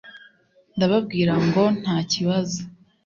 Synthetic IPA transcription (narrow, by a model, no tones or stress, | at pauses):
ndaβabɡiːɾaŋɡo̞n̥haːciβazo